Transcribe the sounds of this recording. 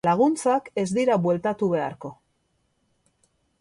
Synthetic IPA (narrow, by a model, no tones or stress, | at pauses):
laɣ̞unt͡sake̞zd̪iɾaβwe̞lt̪at̪uβe̞a̰ɾko̞